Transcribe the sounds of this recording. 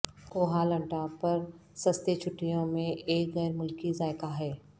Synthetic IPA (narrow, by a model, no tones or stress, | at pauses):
koːɦaːlɐ̃ɳʈapɐɾ | sɐst̪et͡ʃʰʊʈːijõmẽʔeːkɣɛːɾmʊlkizaːɪkaɦɛː